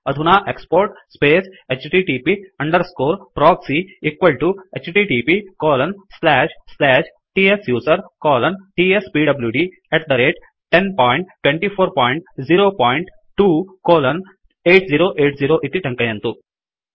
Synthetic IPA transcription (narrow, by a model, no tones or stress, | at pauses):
ɐd̪ʱunaːʔekspoːɾʈspeːset͡ʃʈiːʈiːpiɐɳɖɐɾskoːɾpɾɔːksiikʋɐlʈuet͡ʃʈiːʈiːpikɔːlɐnslɛːʃslɛːʃ | ʈiːesjuːsɐɾkɔːlɐnʈiːespiːɖɐbljuːɖi | ɛʈd̪ɐɾeːʈ | ʈenpɔːjɳʈʈːwẽɳʈipʰoːɾpɔːiɳʈziːɾoːpɔːjiɳʈ | ʈuːkoːlɐn | eːʈziːɾoːʔeːʈziːɾoːʔit̪iʈɐ̃ŋkɐjɐ̃nt̪u